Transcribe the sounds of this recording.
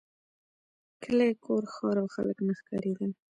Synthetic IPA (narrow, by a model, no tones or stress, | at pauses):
kʰəlekʰoɾxɑɾawxa̰ləknaxkɑɾeɡ̪əl